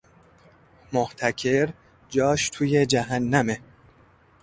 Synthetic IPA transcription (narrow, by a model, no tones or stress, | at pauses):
moht̪ʰæcʰe̞ɾ | d͡ʒɒːʃt̪ʰuːje̞d͡ʒæɦænːæme